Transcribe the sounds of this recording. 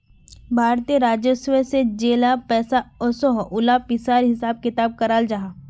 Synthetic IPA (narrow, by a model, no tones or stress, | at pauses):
bʱaːɾt̪ijeɾaːd͡ʒəsʋesed͡ʒeːlapɛːsaɔsɔɦʔʊlapɪsaːɾɦɪsaːb̚kɪt̪aːb̚kɐɾaːld͡ʒaɦaː